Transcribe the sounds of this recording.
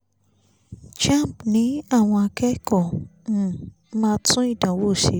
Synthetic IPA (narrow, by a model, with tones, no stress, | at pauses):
t͡ʃã˦˨m˨pnĩ˨˦a˦˨w̃ɔ̃˧a˧kɛ˦kɔ̃˦˨ | mã˦tũ˦ĩ˦˨dã˨˦wo˦˨ʃe˧˦